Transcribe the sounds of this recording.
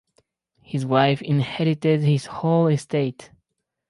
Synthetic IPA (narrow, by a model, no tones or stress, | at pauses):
hɨzwaɪfɪ̃nhɛɾɨtɪd̚hɪz̥hoʊlˠɨstʰeɪt